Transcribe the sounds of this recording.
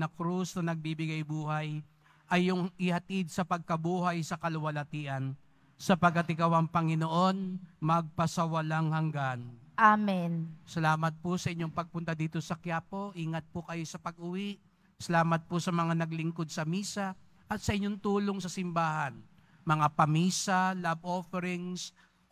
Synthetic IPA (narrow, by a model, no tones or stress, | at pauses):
nɐkɾusnɐnɐɡ̚biːbɪɡajbuːɦaj | ʔɐjːʊŋɪhɐt̪id̪̚sɐpɐɡ̚kɐbuːɦajsɐkɐlʊwɐlɐt̪iːʔɐn | sɐpɐɡ̚kːɐt̪ɪkɐwɐŋpɐŋɪnoʔo̞nmɐɡ̚pɐsɐwɐlaŋhɐŋɡanʔaminsɐlaːmɐt̪̚pʊsɐʔɪɲːo̞ŋpɐɡ̚pʊnt̪ad̪iːt̪o̞sɐkjaːpo̞ʔiːŋɐt̪̚pʊkɐjo̞sɐpɐɡʔʊwiʔ | sɐlaːmɐt̪̚pʊsɐmɐŋanɐɡlɪŋko̞d̪̚sɐmiːsɐ | ʔɐt̪sɐʔɪɲːo̞ŋt̪uːlo̞ŋsɐsɪmbaːhɐn | mɐŋapɐmiːsɐlabʔo̞fɛɾɪŋs